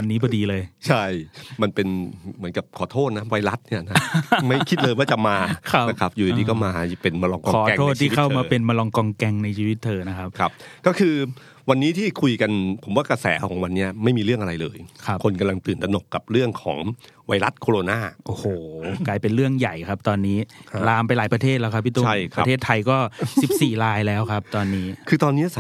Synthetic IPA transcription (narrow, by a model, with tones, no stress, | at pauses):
wa˧nːiː˦˥bɔː˧diː˧lɤː˧jt͡ɕʰa˥˩jma˧npe˧nmɯ˩˦ənka˨˩p̚kʰɔː˨˩˦t̪ʰoː˥˩t̪̚na˦˥wa˧jɾa˦˥t̪̚ni˥˩ɐna˦˥ma˥˩jkʰi˦t̪̚ləː˧jwaː˥˩t͡ɕa˨˩maː˧kʰa˦˥˩na˦˥kʰa˦˥p̚ju˨a˨˩t̪iː˧˩kɔː˥˩maː˧˩pe˧nma˧lɔ˧ŋkɔ˧ɔː˨˦tɛ˧ŋʰː˥˩t̪ʰiː˧˥˩kʰa˥˩wmaː˧pe˧nma˧lɔ˧ŋkɔː˧ŋkɛ˧ŋna˧jt͡ɕʰiː˧wi˦˥t̪ʰːɤː˧na˦˥kʰa˦˥p̚kʰɾa˦˥p̚kɔː˥˩kʰɯː˧ | wa˧nːiː˦˥t̪ʰiː˥˩kʰu˧jka˧npʰo˩˦mwaː˥˩kɾa˧sɛː˩˦kʰɔː˩˦ŋwa˧nːi˦˥ɐma˥˩jmiː˧ɾɯ˥˩əŋʔa˧ɾa˧jlɤː˧jkʰa˦˥pkʰo˧nka˧mla˧ŋt̪ɯː˨˩nt̪a˧no˨˩kːa˨˩p̚ɾɯ˥˩əŋkʰɔ̰ː˩˦ŋwa˧jɾa˦˥t̪̚kʰo˧ɾo˧naː˥˩ʔoː˨˩hoː˨˩klaː˧jpe˧nɾɯ˥˩əŋja˨˩jkʰa˦˥p̚t̪ɔː˧nːiː˦˥laː˧mpa˧jlaː˩˦jpɾa˧t̪ʰeː˥˩t̪lɛː˦˥wkʰa˦pʰːiː˥˩t̪uː˧a˥˩a˧˦˧eː˥˩t̪ʰːa˧jkɔː˥˩si˨˩p̚siː˨˩ɾaː˧jlɛː˦˥wkʰa˦˥p̚t̪ɔː˧nːiː˦˥kʰɯː˧t̪ɔː˧nːi˦˥sa˦